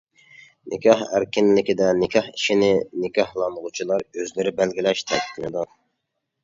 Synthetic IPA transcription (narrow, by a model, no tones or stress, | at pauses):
nʔɪkʲʰɑhæ̰ɾkʲɪnlɪkʲid̪ɛnɪkʲʰɑhiʃinɪnɪkʲɑhlˠɑnʁʊt͡ʃʰilˠɑɾøzlɪɾɪbælɡʲilɛʃt̪ʰɛɪnɨd̪ɑ